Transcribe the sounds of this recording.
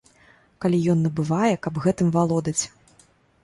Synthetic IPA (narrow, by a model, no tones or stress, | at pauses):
kalʲijɔnːɐbɨvajɛkɐbɣɛt̪ɨmvalˠɔd̪ɐt͡sʲ